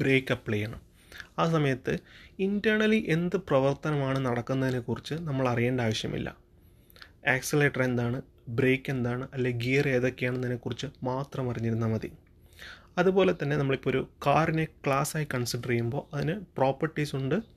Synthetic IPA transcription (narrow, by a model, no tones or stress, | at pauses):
bɾeːkːɐpːɭejːɐɳɐ̰m | aːs̬ɐmɐjɐt̪ːɨindɐːɳɐliʔe̞nd̪ɨprɐʋɐrt̪ɐnɐmaːɳɨnɐɽɐkːunːɐðine̞kːurit͡ɕːɨnɐmːɐɭɐrijeːɳɖaːʋɐʂjɐ̰mḭlːɐ̰ | eːksileːʈːɐre̞nd̪aːɳɨ | bɾe̞ːkːe̞nd̪aːɳɨʔɐlːeɡiːɐre̞ːðo̞kːejaːɳenːɐðinːekːurit͡ɕːɨmaːt̪rɐmɐriɲːiɾunːɐmɐðḭ | ɐðubo̞ːle̞t̪ːɐnːe̞nɐmːɐɭipːoo̞ɾukaːrine̞kɭaːsaːjikːɐɳsiɖɐrejumbo̞ːʔɐðinɨpro̞ːpːɐrʈːisuɳɖɨ